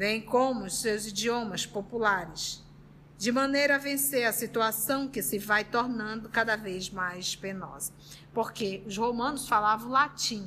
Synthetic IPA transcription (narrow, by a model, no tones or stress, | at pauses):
vẽj̃kõmʊʊssewzid͡ʒiõmɐspopulaɾɪs | d͡ʒɪmɐ̃nejɾɐvẽseɾɐsit̪uasɐ̃w̃kɪsɪvajt̪oɾnɐ̃nd̪ʊkad̪ɐvejzmajspenɔ̰zɐ | poɾkeʊzhomɐ̃nʊsfalavɐ̃w̃lat͡ʃĩ